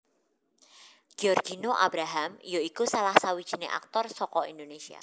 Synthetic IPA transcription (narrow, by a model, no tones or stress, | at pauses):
ɡ̥iɔrɡinoʔa̰bɾaɦamjoikusalahsawid̥ʒ̥i̤neʔa̰k̚t̪ɔrsɔkɔind̪onesia̰